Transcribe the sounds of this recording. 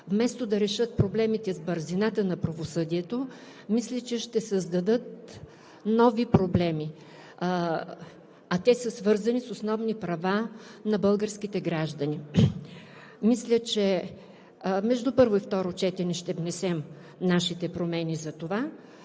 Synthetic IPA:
vmɛst̪od̪ɐɾɛʃɤt̪̚pɾoblɛmit̪ɛzbəɾzinat̪ənɐpɾɐvosɤd̪iɛt̪o | mislʲət͡ʃɛʃt̪ɛsəzd̪ɐd̪ɤt̪̚ | nɔvipɾoblɛmi | ɐt̪ɛsəsvɤɾzɐnisosnɔvnipɾɐvanɐbɤlˠɡəɾsk̟it̪ɛɡɾaʒd̪ɐni | mislʲət͡ʃɛ | mɛʒd̪upɤɾvoift̪ɔɾot͡ʃɛt̪ɛnɛʃt̪ɛvnɛsɛm | naʃit̪ɛpɾomɛnizɐt̪ova

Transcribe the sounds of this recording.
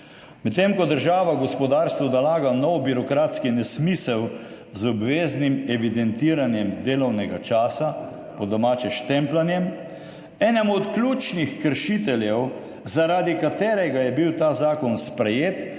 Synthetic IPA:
mɛt̪ːemkɔd̪əɾʒaːʋaɡɔspɔd̪aːɾst̪ʋɔd̪alaːɡanɔwbiɾɔkɾaːt̪skinɛsmiːsəw | zɔbʋeːznimɛʋid̪ɛnt̪iːɾanjɛmd̪eːlɔwnɛɡat͡ʃaːsa | pɔd̪ɔmaːt͡ʃɛʃt̪ɛmplanjɛm | ɛːnɛmuɔt̪klʲuːt͡ʃnixkəɾʃit̪ɛljɛw | zaɾaːd̪ikat̪eːɾɛɡajɛbiwt̪aːzaːkɔnspɾɛjeːt̪

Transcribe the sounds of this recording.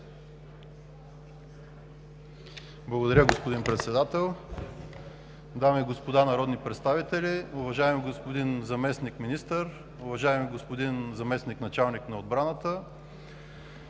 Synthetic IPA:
blˠɐɡod̪ɐɾʲəɡospod̪inpɾɛt̪sɛd̪at̪ɛlˠ | d̪amiːɡospod̪anɐɾɔd̪nipɾɛt̪st̪avit̪ɛlʲiʊvɐʒaɛmɡospod̪inzɐmɛsnikminist̪əɾ | ʊvɐʒaɛmiɡospod̪inzɐmɛsniknɐt͡ʃalˠniknɐod̪̚bɾanət̪ə

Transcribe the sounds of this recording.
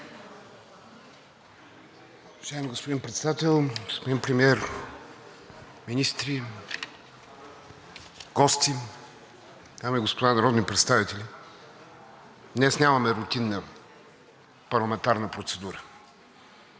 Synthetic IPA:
ovɐʒaɛmiɡospod̪inpɾɛt̪sɛd̪at̪ɛlˠɡospod̪inpɾɛmiɛɾ | minist̪ɾi | ɡ̥ɔst̪i | t̪amɛɡospod̪anɐɾɔd̪nipɾɛt̪st̪avit̪ɛlʲi | nɛsnʲavɐmɛɾut̪inːə | pɐɾlˠɐmɛnt̪aɾnəpɾot̪sɛd̪uɾə

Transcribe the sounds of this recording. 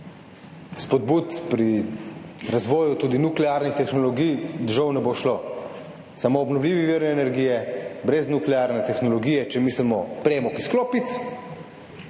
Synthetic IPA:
spɔd̪̚but̪pɾi | ɾazʋɔːjut̪uːd̪inuklɛaɾnixt̪ɛxnɔlɔɡijd̪ʒɐwnɛboʃlo | samoːbnɔwlʲiːʋiʋiːɾɛnɛɾɡijɛbɾɛznuklɛaɾnɛt̪ɛxnɔlɔɡiːjɛt͡ʃɛmislɛmɔpɾɛmɔkisklopit̪

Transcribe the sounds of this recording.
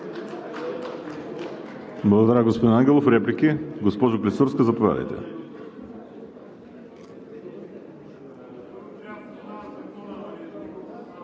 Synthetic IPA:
blˠɐɡod̪ɐɾaɡospod̪inaŋɡʲɛlˠofɾɛplikiɡospɔʒoklʲisuɾskəzɐpovʲa̰d̪ə̰jt̪ɛ̰

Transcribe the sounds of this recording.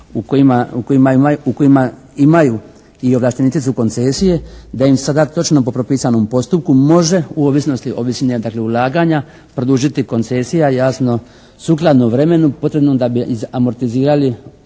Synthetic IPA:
ukoimauko̞jimaauko̞ima | imaju | io̞ʋlˠaʃt̪enit̪it̪suko̞nt̪se̞ːsije̞d̪aimsad̪at̪o̞t͡ʃno̞po̞pɾo̞piːsano̞mpo̞st̪up̚kumo̞ʒe̞uoʋisno̞st̪iʔo̞ʋisned̪akle̞ulˠaːɡaɲa | pɾod̪uʒit̪iko̞nt̪se̞sijajaːsno̞ | suːklˠad̪noʋɾe̞me̞nupo̞t̪ɾebnomd̪abiizamo̞ɾt̪iziːɾali

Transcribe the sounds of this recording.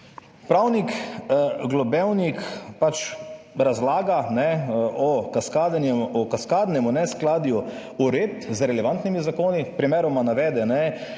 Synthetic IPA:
pɾawnik | ɡlɔbɛwnikpat͡ʃɾazlaːɡanɛɔkaskaːd̪anjɛɔkaskaːd̪nɛmunɛsklaːd̪ju | uɾeːt̪zɾɛlɛʋant̪nimizakoːnipɾimeːɾɔmanaʋɛːd̪ɛnɛ

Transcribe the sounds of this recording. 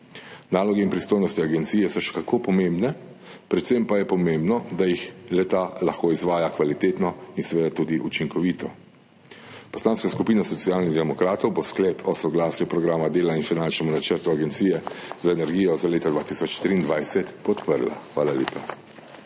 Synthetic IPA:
naːlɔɡɛinpɾist̪oːjnɔst̪iaɡɛnt̪siːjɛsɔʃɛ̥kakʰoːpɔmẽmbnɛ | pɾɛt̪sempajɛpɔmembnɔd̪ajixlɛt̪alaxkoːizʋaːjakʋalit̪eːt̪nɔinsʋeːd̪at̪uːd̪iʔut͡ʃiŋkɔʋiːt̪ɔ | pɔ̥slaːnskaskupiːnasɔtsiaːlniɣd̪ɛmɔkɾaːt̪ɔwbosklɛpʰɔsɔɡlaːsjupɾɔɡɾaːmad̪eːlainfinant͡ʃnɛmunat͡ʃəɾt̪uaɡɛnt̪siːjɛzaɛnɛɾɡiːjɔzaleːt̪ad̪ʋaːt̪iːsɔt͡ʃt̪ɾiːnd̪ʋajsɛt̪pɔt̪pəɾla̰xʋaːlaleːpa

